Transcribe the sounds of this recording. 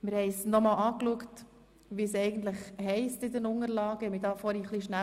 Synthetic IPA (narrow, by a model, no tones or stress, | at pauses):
mɪɾhɛɪsnɔmɑːlʔɑːkluəkt | ʋiːsɛɪɡən̩t̪ləχhɛɪstɪd̪ənʊŋəɾlɑːɡ̥ɛmidɑːfɔɾiχliʃnæ